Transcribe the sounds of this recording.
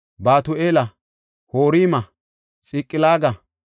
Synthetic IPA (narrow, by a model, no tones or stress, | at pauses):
baːt̪ʊeːlɐ | hoːɾiːmɐ | t͡sʼiːkʼːɪlaːɡɐ